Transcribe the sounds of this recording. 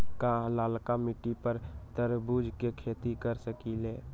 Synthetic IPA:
kaɦlaːlkamɪʈːipəɾt̪əɾbuːd͡ʒkekʰeːt̪ikəɾsəkileː

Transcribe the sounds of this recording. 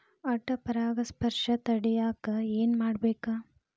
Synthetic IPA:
ɐʈːɐpɐɾaːɡɐspɐɾʂɐt̪ɐɽɛjaːkɐeːnmaːɽbeːkɐ

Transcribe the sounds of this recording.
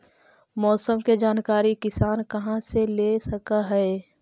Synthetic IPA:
mɔːsəmked͡ʒaːnkaːɾikɪsaːnkɐɦãselesɐkaɦɛː

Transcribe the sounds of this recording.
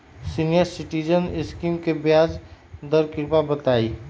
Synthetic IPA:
siːnijəɾsɪʈiːd͡ʒənɪskiːmkebjaːd͡ʒd̪əɾkɪɾpabɐt̪aːiː

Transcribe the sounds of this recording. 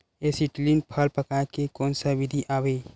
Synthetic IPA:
esɪʈlinpʰəlpəkaːkekɔːnsaʋɪd̪ʱiʔaːʋeː

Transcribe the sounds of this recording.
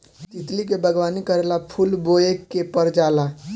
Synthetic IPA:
t̪it̪likebʱəɡʋanikəɾelapʰulboekːepəɾd͡ʒala

